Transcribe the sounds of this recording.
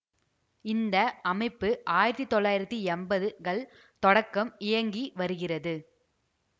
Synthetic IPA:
ɪnd̪ɐɐmɐɪpːɯʔaːjɪɾɐt̪ːit̪ːɔɭːaːjɪɾɐt̪ːiɛmbɐðɯɣɐɭ | t̪ɔɽɐkːɐmɪjɐŋɡiʋɐɾɯɣɪrɐðɯ

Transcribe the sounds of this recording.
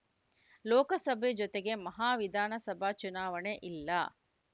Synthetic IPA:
loːkɐsɐbʱed͡ʒot̪eɡemɐɦaːʋid̪ʱaːnɐsɐbʱaːt͡ʃunaːʋɐɳeʔilːaː

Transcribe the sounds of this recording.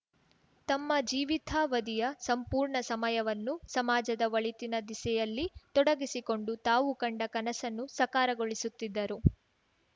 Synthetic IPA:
t̪ɐmːɐd͡ʒiːʋit̪ʰaːʋɐd̪ijɐsɐmpuːɾɳɐsɐmɐjɐʋɐnːusɐmaːd͡ʒɐd̪ɐʋɐɭit̪inɐd̪isɛjɐlːit̪ɔɽɐɡisiko̞ɳɖut̪aːʋukɐɳɖɐkɐnɐsɐnːusɐkaːɾɐɡoɭisut̪ːid̪ːɐɾu

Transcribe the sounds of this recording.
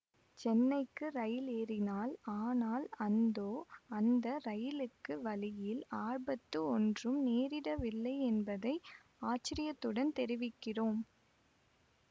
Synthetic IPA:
t͡ʃɛnːɐɪkːɯɾɐjɪleːɾɪnaːlaːnaːlɐnd̪oːɐnd̪ɐɾɐjɪlɯkːɯʋɐlɪjɪlaːɻbɐt̪ːɯɔndrɯmneːɾɪɽɐʋɪlːɐɪɛnbɐðɐɪ | aːt͡ʃːɪɾɪjɐt̪ːɯɽɐnt̪ɛɾɪʋɪkːɪroːm

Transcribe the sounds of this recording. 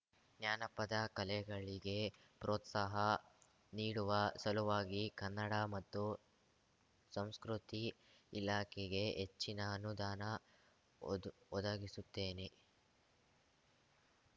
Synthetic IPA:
njaːnɐpːɐd̪ɐkɐlɛɡɐɭiɡe̞ | pɾoːt̪sɐɦɐ | niːɽuʋɐsɐluʋaːɡikɐnːɐɽɐmɐt̪ːu | sɐmskɾut̪iː | laːkʰɛɡe̞ɦet͡ʃːinɐːnud̪aːnɐ | ɔd̪ɐɡisut̪ːe̞ːne

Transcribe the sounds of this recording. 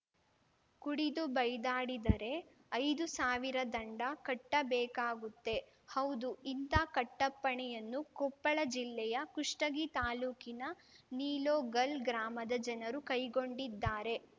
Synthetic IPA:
kuɽid̪ubɐjd̪aːɽid̪ɐɾe̞ | ɐjd̪usaːʋiɾɐd̪ɐɳɖɐkɐʈːɐbɛːkaːɡut̪ːe̞ | hɐwd̪uint̪aːkɐʈːɐpːɐɳɛjɐnːukɔpːɐɭɐd͡ʒilːɛjɐkuʂʈɐɡit̪aːluːkinɐ | niːloːɡɐlɡɾaːmɐd̪ɐd͡ʒɐnɐɾukɐjɡo̞ɳɖid̪ːaːɾe̞

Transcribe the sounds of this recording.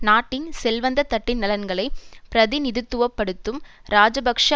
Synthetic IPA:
naːʈːɪnsɛlʋɐnd̪ɐt̪ːɐʈːɪnːɐlɐnɡɐɭɐɪpɪɾɐðɪnɪðɯt̪ːɯʋɐpːɐɽɯt̪ːɯmɾaːd͡ʒɐbɐkʂa

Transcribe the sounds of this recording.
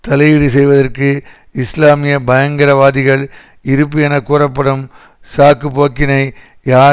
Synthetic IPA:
t̪ɐlɐjɪɽisɛjʋɐðɐrkɯ | ɪslaːmɪjɐbɐjɐŋɡɐɾɐʋaːðɪɣɐɭ | ɪɾɯpːɪjɐnɐkːuːɾɐpːɐɽɯm | saːkːɯpoːkːɪnɐɪ | jaː

